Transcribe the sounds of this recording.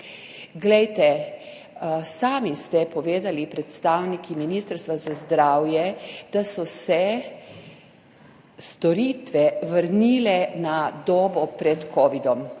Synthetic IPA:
ɡlɛjt̪ɛ | saːmist̪ɛpɔʋeːd̪alipɾɛt̪st̪awnikʰiminiːst̪əɾst̪ʋazazd̪ɾaːwjɛd̪asɔsɛ | st̪ɔɾit̪ʋɛʋəɾniːlɛnad̪oːbɔpɾɛt̪kʰɔːʋid̪ɔm

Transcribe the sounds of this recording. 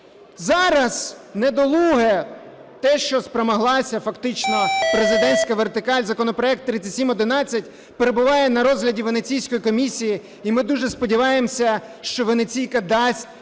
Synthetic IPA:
zɑɾɐznɛd̪ɔlˠuɦɛ | t̪ɛʃt͡ʃɔspɾɔmɐɦlˠɑsʲɐfɐkt̪ɪt͡ʃnɔpɾezɪd̪ɛnʲsʲkɐʋert̪ɪkɑlʲzɐkɔnɔpɾɔɛk̚t̪ːɾɪt͡sʲɐtʲsʲimɔd̪ɪnɑt͡sʲːɐtʲ | peɾebʊʋɑjɛnɐɾɔzɦlʲɐdʲiʋenet͡sʲijsʲkɔjikɔmʲisʲiji | imɪd̪uʒɛspɔdʲiʋɑjemsʲɐ | ʃt͡ʃɔʋenet͡sʲijkɐd̪ɑsʲt̚ʲ

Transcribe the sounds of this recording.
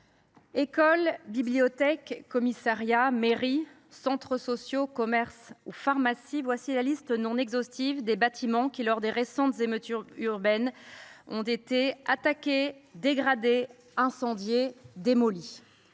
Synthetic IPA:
ekɔlbibliɔt̪ɛkːɔmisaʁjameʁi | sɑ̃t̪χəsɔsjokɔmɛʁsufaʁmasivwasilalist̪ənɔ̃nɛɡzɔst̪ivd̪ebat̪ʰimɑ̃kʲilɔʁd̪eʁesɑ̃t̪zemøt̪yʁyʁbɛnɔ̰̃t̪et̪eat̪akʲed̪eɡʁad̪e | ɛ̃sɑ̃d̪jed̪emɔli

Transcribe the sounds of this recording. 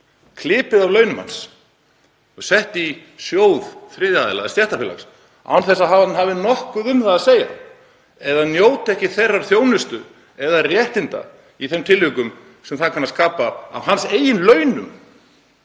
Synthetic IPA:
kʰlɪːpɪðavlœːɥnʏmha̰ns | ɔsɛht̪i | sjoːwðfɾɪːðjaðɪla̰ðst̪jɛht̪afɪla̰ks | a̰wnθɛsaðhaːvanhaːvɪnɔhkʏðʏmðaaseːja̰ | ɛðanjoːwt̪ɛhcɪθejrːaɾ̥θjoːwnɪst̪ʏ | ɛðarjɛht̪ɪnt̪a̰ | iθɛmt̪ʰɪlhʏkʏm | sɛmθaðkʰanːaskaːpaa̰vɦanseːjɪnlœːɥnʏm

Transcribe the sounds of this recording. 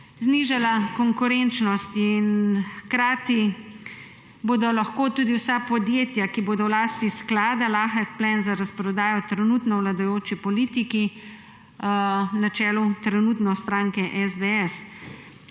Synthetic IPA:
zniːʒalakɔŋkuɾɛnt͡ʃnɔst̪inxkɾaːt̪i | boːd̪ɔlaxkoːt̪uːd̪iwsapɔd̪jeːt̪jakiboːd̪ɔwlaːst̪isklaːd̪alaːxɛk̪plɛnzaɾaspɾɔd̪aːjɔt̪ɾɛnuːt̪nɔwlad̪ɔjoːt͡ʃipɔliːt̪iki | nat͡ʃɛːlut̪ɾɛnut̪nɔst̪ɾaːŋkɛʔɛzd̪ɛɛs

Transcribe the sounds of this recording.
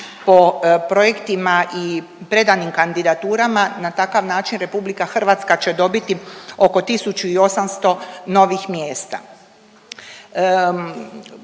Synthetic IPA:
po̞pɾo̞je̞kt̪imaʔi | pɾe̞d̪animkand̪id̪at̪uːɾamanat̪akaʋnaːt͡ʃinɾe̞publikaxr̩ʋat̪skat͡ɕe̞d̪o̞bit̪io̞ko̞t̪isut͡ʃuio̞samst̪o̞no̞ʋixmje̞ːst̪a̰

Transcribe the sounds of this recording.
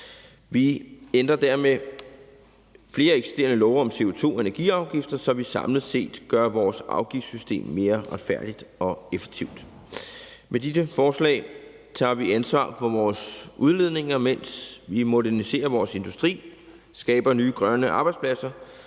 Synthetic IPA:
ʋiend̥ʁɐd̥æɐme | fle̝ːɐeɡ̥si̥sd̥e̝̰ːɐnəlɒːʊɒ̽mse̝o̝t͡sʰo̝̰ːe̝næɐɡ̥ḭːɑ̈ʊɡ̥ifd̥ɐsɒ̽ʋisɑ̈mlð̩ˠse̝̰ːd̥ɡ̥ɶɐʋɒːsɑ̈ʊɡ̥ifsysd̥e̝̰ːmːe̝ːɐʁad̥fæɐd̥id̥ɒ̽efe̥ɡ̥̚t͡sʰiʊ̰d̥ | mʔed̥idəfɒːslɛ̰ːɪ | t͡sʰɑ̰̈ːʋiænsʋɑ̰̈ːfɒ̽ʋɒːsʔuðˠle̝ð̞ˠne̝ŋɐmen̰sʋimo̝dæɐnise̝̰ːɐʋɒːse̝nd̥usd̥ʁḭː | sɡ̥ɛːb̥ɐnyːɡ̥ʁɶnəʔɑ̈ːb̥ɑ̈ɪ̥spʰlæsɐ

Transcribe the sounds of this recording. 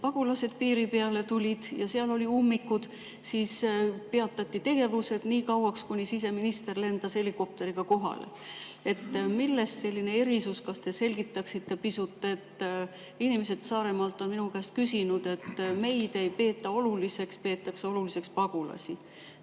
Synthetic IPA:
pɑɡ̥ulɑse̞d̪̥̚piːɾipe̞ɑle̞t̪ulʲid̪̥jɑseɑlo̞lʲiumːikːud̪̥ | siːspeɑt̪ːˑɑt̪ʲːˑit̪e̞ɡ̥e̞vuse̞d̪̥niːkɑwɑkskunʲisis̬e̞minist̪e̞rle̞nd̪̥ɑse̞liko̞p̚t̪e̞ɾiɡ̥ɑko̞ɦɑ̰lḛe̞t̪ːˑmilːe̞st̪se̞lʲːine̞e̞ɾisuskɑst̪e̞se̞lʲɡ̥it̪ːˑɑksit̪ːe̞pisut̪ːˑe̞t̪ː | inʲimese̞d̪sɑːɾe̞mɑlt̪ːˑo̞nminukæːst̪̚kysinud̪̥e̞t̪ːˑme̞jd̪̥e̞jpe̞ːt̪ːˑɑo̞lulise̞kspe̞ːt̪ːˑɑkseo̞lulise̞kspɑɡ̥ulɑ̰sʲi

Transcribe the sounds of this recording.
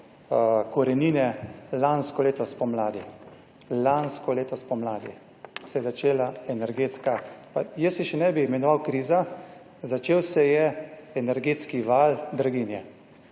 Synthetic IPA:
kɔɾɛniːnɛlanskɔleːt̪ɔspɔmlaːd̪i | lanskɔleːt̪ɔspɔmlaːd̪ḭ | sɛjɛzat͡ʃeːlaɛnɛɾɡeːt̪skapajəsjɛʃɛnɛbiimɛnɔʋawkɾiːza | zat͡ʃeːwsɛjɛɛnɛɾɡeːt̪skiʋald̪ɾaɡinjɛ

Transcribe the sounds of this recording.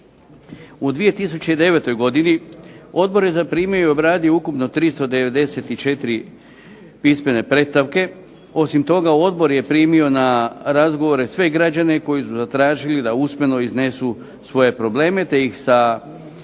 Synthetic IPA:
ud̪ʋije̞t̪is̬ut͡ɕe̞id̪e̞ʋe̞t̪o̞jɡo̞d̪inio̞d̪̚bo̞ɾje̞zapɾiːmejuobɾaːd̪ijoukupno̞t̪ɾist̪o̞d̪e̞ʋe̞d̪e̞se̞t̪it͡ʃe̞t̪iɾi | pisme̞ne̞pɾe̞t̪st̪aʋke̞ | o̞simt̪o̞ɡao̞d̪bo̞ɾje̞pɾiːmio̞naɾazɡo̞ʋo̞ɾe̞sʋe̞ɡɾad͡ʑane̞ko̞jisuzat̪ɾaːʒilid̪ausme̞no̞izne̞su | sʋo̞je̞pɾo̞ble̞ːme̞t̪e̞ixsa

